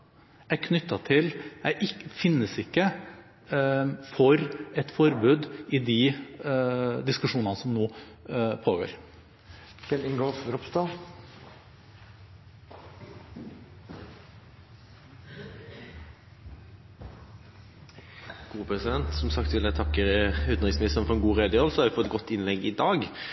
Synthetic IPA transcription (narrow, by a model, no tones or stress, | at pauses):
ækʰnʏt̪ːɑt̪ʰɪlæʔɪkfɪnːəsɪkːə | fɔɾɛt̪fɔɾbʉːd̪ɪd̪i | d̪ɪskʉʂuːnɑnəsɔmnoː | pʰoːɡo̰ːɾ | ʋɛlɪŋɡoːfɾɔpst̪ɑ | ɡ̥uːəpʰɾɛsɪd̪ɛnt̪sɔmsɑkt̪ʋɪlæt̪ʰɑkːəɾʉːt̪əʁɪŋsmɪnɪst̪ənfɔɾɛnɡuːʁeːd̪əhɔlsɔhɑɾʋɪfɔt̪ɛt̪ɡɔt̪ːɪnlɛɡːɪd̪ɑːɡ